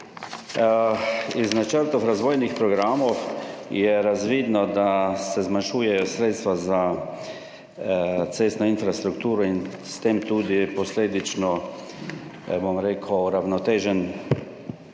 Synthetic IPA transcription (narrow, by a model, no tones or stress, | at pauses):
iznat͡ʃəɾt̪ɔfɾazʋoːjnixpɾɔɡɾaːmɔwjɛɾazʋiːd̪nɔd̪asɛzmanʃuːjɛjɔsɾeːt̪st̪ʋaza | t̪seːst̪nɔinfɾast̪ɾukt̪uːɾɔinst̪emt̪uːd̪ipɔsleːd̪it͡ʃnɔ | bomɾeːkʰwɾawnɔt̪eːʒɛn